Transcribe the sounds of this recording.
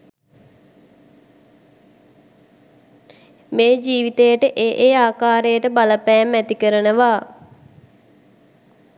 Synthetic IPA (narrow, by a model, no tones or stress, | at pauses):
meːd͡ʒiːʋit̪ejəʈəʔeːʔeːaːkaːɾəjəʈəbaləpɛːmːɛt̪ikəɾənəʋaː